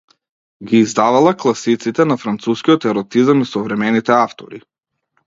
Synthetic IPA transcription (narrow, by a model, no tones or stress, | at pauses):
ɡʲiːzd̪avalˠaklˠasit̪sit̪ɛnafɾant̪suskʲijɔt̪ɛɾɔt̪izamisɔvɾɛmɛnit̪ɛaft̪ɔ̰ɾi